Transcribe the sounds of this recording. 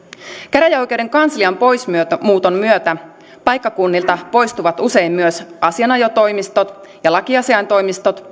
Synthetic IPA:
kæɾæjæo̞jk̟ewɾe̞ŋkɑnsliɑmpo̞jsmyømuːt̪o̞mːyøt̪æ | pɑjkːɑkunːilt̪ɑpo̞jst̪uʋɑt̪use̞jmːyøsɑsiɑnɑjo̞t̪o̞jmist̪o̞t̪ | jɑlɑkiɑsiɑjnt̪o̞jmist̪o̞t̪

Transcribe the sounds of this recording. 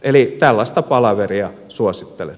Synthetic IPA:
elit̪ælːɑst̪ɑpɑlɑʋeriɑ | suosit̪ːelḛ

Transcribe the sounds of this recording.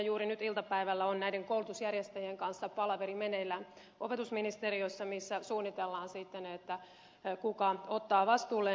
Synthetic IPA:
juːɾinyt̪ilt̪ɑpæiʋælːæonnæideŋkoulut̪usjærjest̪æjieŋkɑnsːɑpɑlɑʋeɾimeneilːæ | ʔopet̪usminist̪erioisːɑmisːæsuːnːit̪elːɑːnsit̪ːenet̪ːæ | kukɑot̪ːɑːʋɑst̪uːlːe

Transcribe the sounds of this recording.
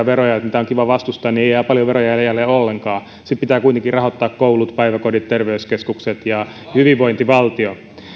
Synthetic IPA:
ɑʋerojɑt̪niːt̪æoŋkiʋɑʋɑst̪ust̪ɑːnieˑijæːpɑljoʋerojɑjjælːeːolːeŋkɑː | sit̪pit̪æːkuit̪eŋkirɑɦot̪ːɑːkkoulut̪pæiʋækodit̪t̪erʋeyskeskukset̪jɑ | hyʋiʋʋoint̪iʋɑlt̪io

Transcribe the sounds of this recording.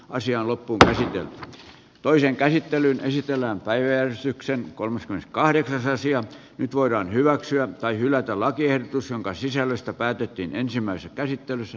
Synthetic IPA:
ʔɑsiɑːnlopːuːŋkæsit̪ḛlt̪y̥ | t̪oiseŋkæsit̪ːelynesit̪elːæːmpæiʋæjærest̪yksenkolmeskymenskɑhɾeksɑsɑsiɑ | nyt̪ʋoiɾɑːnhyʋæksyæt̪ɑihylˑæt̪ælɑkiehdot̪usjoŋkɑsisælːøst̪æpæːt̪et̪ːiːnensimːˑæisesækæsit̪ːelysːæ

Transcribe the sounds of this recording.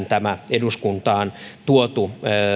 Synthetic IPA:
nt̪æmæeduskunt̪ɑːnt̪uot̪u

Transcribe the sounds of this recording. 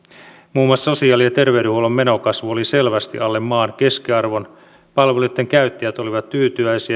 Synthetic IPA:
muːmwɑsso̞siɑːliet̪e̞rʋeydɾehuolomːe̞no̞kɑsʋuo̞lise̞lʋæst̪ḭʔɑlːe̞mːɑːnke̞skiɑrʋo̞n | pɑlʋelut̪ːeŋkæyt̪ːijæt̪o̞liʋɑt̪ːyːt̪yæjsiæ

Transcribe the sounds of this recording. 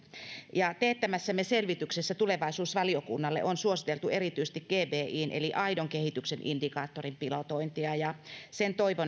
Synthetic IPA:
jɑt̪eːt̪ːæmæsːæmːeselʋit̪yksesːæt̪uleʋɑisuːsʋɑliokṵnːɑlːḛʔonsuosit̪elt̪uerit̪yise̥st̪ikɡ̥eːbeːiːnʔḛliʔɑidoŋkehit̪yksenʔḭndikɑːt̪ːorimpilot̪oint̪iɑjɑsent̪oiʋon

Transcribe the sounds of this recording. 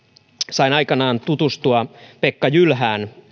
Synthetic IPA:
sɑinɑjkɑnɑːnt̪ut̪ust̪uɑpekːɑjylɦæːn

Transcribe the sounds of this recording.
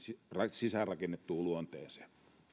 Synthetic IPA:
sirɑsisærɑkenːet̪ːuːluont̪eːse̥ː

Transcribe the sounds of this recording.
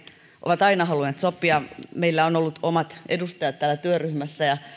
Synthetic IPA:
ʔo̰ʋɑt̪ɑinɑhɑluneːt̪sopːˑiɑmeilːæonolːut̪omɑt̪edust̪ɑjɑt̪t̪æːlːæt̪yøryhmæsːæjɑ

